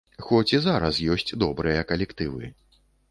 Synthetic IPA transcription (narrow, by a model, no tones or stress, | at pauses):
xɔt͡sʲizaɾɐsjɔsʲt͡sʲd̪ɔbɾɨjɐkɐlʲɛkt̪ɨvɨ